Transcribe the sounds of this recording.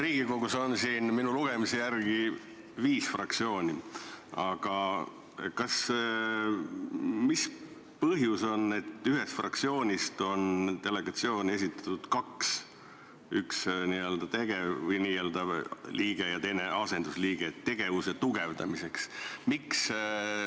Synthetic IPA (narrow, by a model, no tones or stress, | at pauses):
riːɡ̥iko̞ɡuso̞nsiːnminuluɡ̥e̞misejærɡi | viːsfrʔɑk̚t̪sio̞ːnʲiɑɡ̥ɑ | kɑs | mis | pɤɦjuso̞nːe̞t̪ːyɦest̪frʔɑ̰kt̪sio̞ːnʲist̪o̞nt̪e̞le̞ɡ̥ɑt̪sio̞ːnes̬it̪ːˑɑ̥t̪ːud̪̥kɑks | yksniːø̞ld̪ɑt̪e̞ɡ̥e̞vɤjniːeld̪ɑvliːɡ̥e̞jɑt̪e̞jne̞ʔɑse̞nd̪̥usliːɡ̥et̪e̞ɡ̥e̞vuse̞t̪uɡ̥e̞vd̪ɑ̰mise̞ksmiks